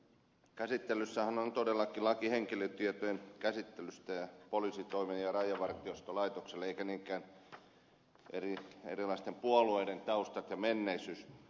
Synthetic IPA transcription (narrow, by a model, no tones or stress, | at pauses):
kæsit̪ːelysːæhænont̪odelːɑkilɑkiheŋkiløt̪iet̪ojenkæsit̪ːelyst̪æjɑpolisit̪oimenjɑrɑjˑɑʋɑrt̪iost̪olɑit̪okselːeikæniːŋkˑæːn | ʔḛriḛrilɑist̪empuolueident̪ɑust̪ɑt̪jɑmenːeisys